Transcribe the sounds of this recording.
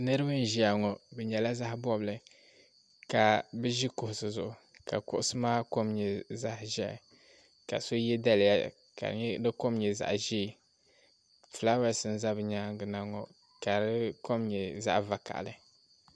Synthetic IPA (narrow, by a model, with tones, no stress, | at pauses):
nɨ˦ɾɨ˦bɨ˦n˦ʒi˦a˨ŋɔ˨bɛ˨ɲɛ˨la˦za˦hɪ˦bɔ˦blɨ˨ | ka˨bɨ˦ʒi˦kʊ˨hʊ˨sɨ˨zʊ˨ʔʊ˨ | ka̰˨kʊ˦ʔʊ˦sɨ˦maː˦ko˦mɲɛ˨za˦hʒɛ̰˦˨ | ka̰˨so˦jɛ˦da˦lja˦ | ka̰˨ɲ˦dɨ˦ko˦mɲɛ˨za̰˨ʔʒi˦˨ | fla˦wa˦˨sɨ˦n˦za˦bɨ˨ɲa˦ŋ˦ɡɨ˨na˦ŋɔ˨ | ka˨ɾɨ˦ko˦mɲɛ˨za̰˦ʔva˨ka̰˨ʔlɨ˨